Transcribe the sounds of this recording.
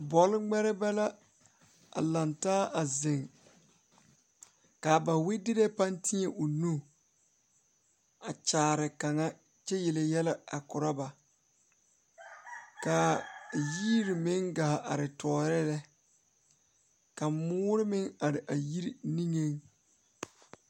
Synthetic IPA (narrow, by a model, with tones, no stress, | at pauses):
bɔ˨˦lɪ˦ŋ͡mɛ˦ɾɪ˦bɛ˦la˦ | a̰˨la˨ntaː˦ʔa˨zɪ˨ŋ | ka˨ba˨wɪ˦dɪ˦ɾe˦pa˦ntɪ˦ɲɛ˨ʔʊ˨nu˦ | a˨t͡ʃaː˨ɾɪ˨ka˨ŋa˦ | t͡ʃɛ˦jɛ˨lɛ˨jɛ˦lɛ˦a˨kʊ˨ɾa˦ba˨ | ka˨jiː˦ɾɪ˨mɪ˦ŋɡaː˨ʔa˨ɾɪ˨tɔː˨˦˨ɾɪ˦lɛ˦ | ka˨mʊː˦ɾɪ˦mɪ˦ŋa˨ɾɪ˨ʔa˨ji˦ɾi˦ni˦ŋe˦ŋ